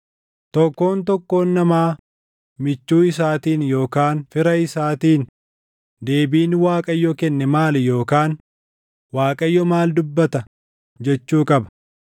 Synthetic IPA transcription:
t̪ɔkːo̞ːnt̪ɔkːo̞ːnːɐmaː | mɪt͡ʃːuːɪs̬aːt̪iːnjo̞ːkaːnfɪɾɐɪsaːt̪iːn | d̪eːbiːnwaːkʼɐjːɔkɛnːɛmaːlɛjo̞ːkaːn | waːkʼɐjːɔmaːld̪ʊbːɐt̪ɐ | d͡ʒɛt͡ʃːuːkʼɐbɐ̥

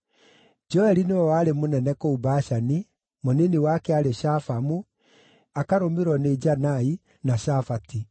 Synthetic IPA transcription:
d͡ʒɔɛɾinewɛwaːɾemonɛnɛkoubaːʃani | moneniwakɛaɾeɕafamu | akaɾomeɾwɔneid͡ʒanai | naʃafati

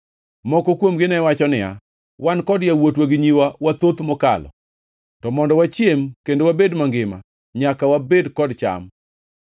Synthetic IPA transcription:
mɔkɔkwomɡɪnɛwat͡ʃɔnɪja̰ | wankɔdjawotwaɡɪɲiwawat̪ot̪mɔka̰lɔ̰ | tɔmɔndɔwat͡ʃjemkendowabedmaŋɡɪma̰ | ɲakawabedkɔdt͡ʃa̰m

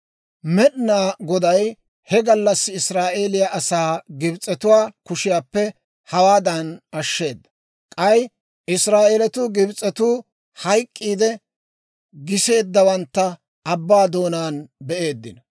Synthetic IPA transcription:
mɛɗnaːɡɔd̪ɐj | hɛɡɐlːɐsːɪɪsɾaːʔe̞ːlɪjaʔɐsaːɡɪbt͡sʼːɛt̪ʊwaːkʊʃɪjaːpːɛ | hɐwaːd̪ɐnɐʃːe̞ːd̪ːɐ̥ | kʼɐj | ɪsɾaːʔeːlɛt̪ʊːɡɪbt͡sʼːɛt̪uː | hɐjkʼːiːd̪ɛ | ɡɪse̞ːd̪ːɐwɐnt̪ːɐː | bːaːd̪o̞ːnaːnbɛʔe̞ːd̪ːɪnɐ

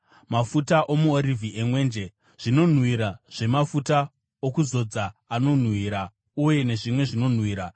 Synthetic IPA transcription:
mafutaʔo̞muoɾiviʔemwe̞ːnd͡ʒe̞ | ʐ̥ino̞n̤wiɾaʐ̥e̞mafuta | okuzo̞d͡zaːno̞n̤wiɾa | uje̞ne̞ʐimwe̞ʐino̞n̤wiːɾa

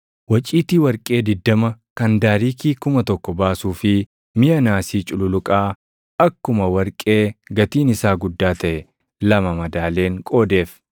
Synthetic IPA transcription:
wɐt͡ʃʼiːt̪iwɐɾkʼe̞ːd̪ɪd̪ːɐmɐkɐnd̪aːɾiːkiːkʊmɐt̪ɔkːɔbaːsuːfɪ | mɪjɐnaːsiːt͡ʃʼʊlʊlʊkʼaː | ɐkːʊmɐwɐɾkʼe̞ːɡɐt̪iːnɪsaːɡʊd̪ːaːt̪ɐʔɛ | lɐmɐmɐd̪aːle̞ːŋkʼo̞ːd̪e̞ːf

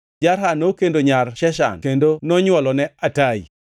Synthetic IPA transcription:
d͡ʒarɦanokendoɲarʃɛʃa̰nkendonɔɲwɔlɔnɛatai

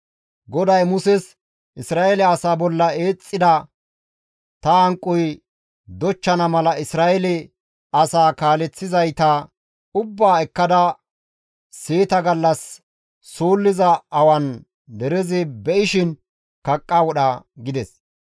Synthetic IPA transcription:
ɡɔd̪ɐjmʊsɛs | ʔɪsɾaːʔɛlɛɐsaːbɔlːɐe̞ːt͡sʼːɪd̪ɐ | t̪ɐɐŋkʼːʊj | d̪ɔt͡ʃːɐnɐmɐlɐɪsɾaːʔɛlɛ | ɐsaːkaːlɛt͡sːɪzɐjt̪ɐ | ʊbːaːɛkːɐd̪ɐ | seːt̪ɐɡɐlːɐsː | oːlːɪzɐɐwɐn | d̪ɛɾɛzɪbɛʔɪʃɪn | kɐkʼːawɔɗɐɡɪd̪ɛs

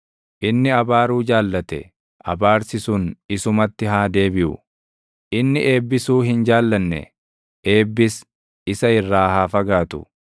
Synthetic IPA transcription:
ʔɪnːɪɐbaːɾuːd͡ʒaːlːɐt̪ɛ̰ | ʔɐ̰baːɾsɪsʊnɪsʊmɐt̪ːɪhaːd̪e̞ːbɪʔʊ̰ | ʔɪnːɪʔe̞ːbːɪsuːɦɪnd͡ʒaːlːɐnːɛ̰ | ʔe̞ːbːɪs | ɪsɐɪrːaːhaːfɐɡaːt̪ʊ̥̰

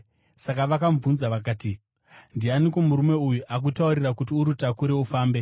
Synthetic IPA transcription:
sakaʋakaɱvunzaʋakaːti | ndianikomuɾume̞ujuʔak̬utauɾirakutiuɾutakuɾeufaːmbe̞

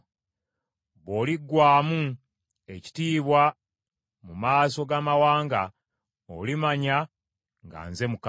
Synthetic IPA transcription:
βo̞ːliɡːwaːmu | e̞ci̥tiːβwa | mumaːso̞ɡaːmawaːŋɡa | o̰limaɲa | ŋɡa̰ːnze̞muk

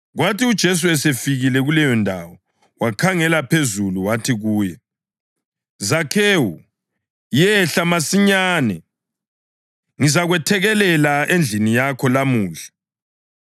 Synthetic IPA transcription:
ɣwatiud̥ʒ̥ʱes̬uɛsefiɣilɛɣulɛjɔndʱa̰wɔ | wakʰaŋɛlapʰezuluwatʰiɣuːjɛ | zakʰeːwu | jɛɬamasiɲaːnɛ | ŋizaɣwɛtʰɛɣɛlɛlaend͡ɮʱinijakʰɔlamuːɮḁ

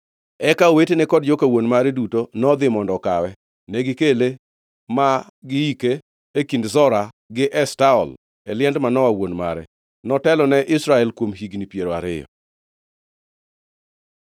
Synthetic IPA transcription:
ɛkaowetenɛkɔd̚d͡ʒokewonmaɾɛdutonɔd̪ɪmɔndɔkawɛ | nɛɡɪkele | ma | ɡɪikeː | kindzɔɾa | ɡɪʔɛstaɔ̰l | ɛlɪɛndmanɔwawonma̰ɾɛ̰ | nɔtɛlɔnɛʔɪsɾaɛlkwomɦiɡnipjeɾoa̰ɾɪ̰jɔ̰

